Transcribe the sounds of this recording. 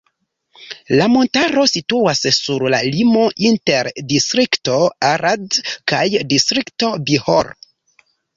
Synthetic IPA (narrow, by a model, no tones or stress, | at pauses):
lamo̞ntaɾo̞situassuɾla̰limo̞ʔinteɾdistɾikto̞aɾadkajdistɾikto̞bihoɾ